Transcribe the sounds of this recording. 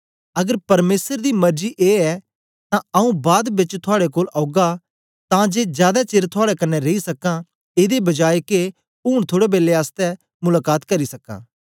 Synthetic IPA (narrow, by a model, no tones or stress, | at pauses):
ɐɡəɾpɐɾmeːsəɾd̪imɐɾd͡ʒiʔeːɛ | t̪ãɐũbaːd̪bɪt͡ʃt̪ʰʊaːɽekoːlaʊɡa | t̪ãd͡ʒeːzjaːd̪at͡ʃeːɾt̪ʰʊaːɽɛkɐnːɛɾeisɐkã | eːd̪ebɐd͡ʒaːeke | uːɽ̃t̪ʰoːɽebeːleaːst̪ɛ | mʊlaːkaːt̪kɐɾisɐkːã̰ː